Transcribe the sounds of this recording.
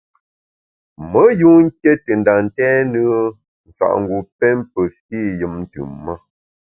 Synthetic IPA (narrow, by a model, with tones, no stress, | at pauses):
mə˨˦ju˦ŋ̩˦ke˦tə˨n˨da˨n˨tɛ˦nɨ˦ə˦ | n̩˨sa̰˨ʔŋ̩˨ɡu˨pɛ˦mpə˨fi˦˨jɨ˦mn̩˦tɯ̰˨mmə˦